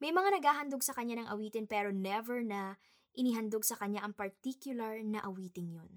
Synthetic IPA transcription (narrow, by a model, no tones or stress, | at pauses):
mɐjmɐŋanɐɡaːɦɐnd̪oɡ̚sɐkɐɲːanɐŋʔɐwiːt̪ɪnpɛːɾo̞nɛvɛɹnɐ | ʔɪniɦɐnd̪oɡ̚sɐkɐɲaʔɐŋpɐɹt̪ikjʊlɐɹnɐʔɐwiːt̪ɪnjon